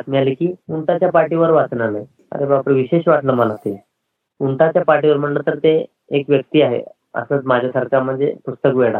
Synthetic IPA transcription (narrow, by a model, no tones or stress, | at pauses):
at̪mialikiːuɳt̪at͡ɕjapaɾʈiʋəɾʋat͡snalaj | a̰ɾebapɾiʋiɕeɕʋaʈləːməlat̪e | uɳt̪at͡ɕjapaɾʈiʋəɾm̤əʈlət̪əɾt̪e | ekʋjək̚t̪iːaɦḛ | ə̰səːt͡smad͡ʑʱjasəɾkam̤əɳd͡zḛpust̪əkʋeɽa̰